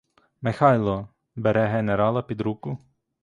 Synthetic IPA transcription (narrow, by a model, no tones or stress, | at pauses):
mɛxajlˠɔ | bɛɾɛɦɛnɛɾalˠɐpid̪ɾukʊ